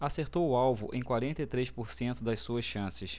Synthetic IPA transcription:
aseɾt̪owʊawvʊʔẽj̃kwaɾẽnt̪ɐjt̪ɾejʃpoɾsẽnt̪ʊd̪ɐssuɐsʃɐ̃sɪs

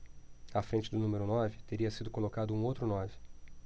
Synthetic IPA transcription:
ɐfɾẽnt͡ʃɪd̪ʊnũmeɾʊnɔvɪt̪eɾiɐsid̪ʊkolokad̪ʊũowt̪ɾʊnɔvɪ

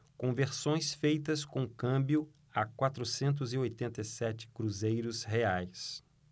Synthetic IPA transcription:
kõveɾsõj̃sfejt̪ɐskõkɐ̃bjʊ | akwat̪ɾʊsẽnt̪̬ʊziojt̪ẽnt̪ejsɛt͡ʃɪ̥kɾuzejɾʊsheajs

